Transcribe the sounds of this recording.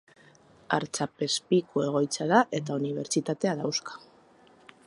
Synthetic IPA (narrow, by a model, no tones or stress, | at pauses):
a̰ɾt͡sape̞spikʰue̞ɣ̞o̞jt͡saðaʔe̞t̪auniβ̞e̞ɾt͡sit̪at̪e̞aðawskḁ